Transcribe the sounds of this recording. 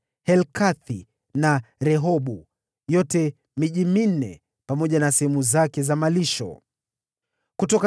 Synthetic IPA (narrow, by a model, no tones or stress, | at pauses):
hɛlkaθi | naɾɛɦɔɓu | jɔtɛ | miʄimin̩nɛ̰ | pamɔʄanasɛhɛmuzakɛzamaliʃɔ̰ | kutɔk